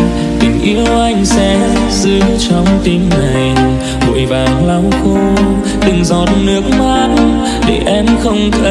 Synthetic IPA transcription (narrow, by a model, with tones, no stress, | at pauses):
t̪i˨˩ŋ̟ʔi˧˦əwʔa˧jŋ̟sɛ˧˦ | zɨ˧˦t͡ɕɔ˨˧˩wŋ͡mt̪i˧mna˨˩j | ɓo̰˧˨əjɓaː˨˩nla˧˩wŋ͡mxu˧ | t̪ɨ˨˩ŋzɔ˨˩t̚nɨ˨˦˥ək̚ma˧˦n | ɗe˧˩ʔɛ˧mxə˧wŋ͡mt̪ʰə˧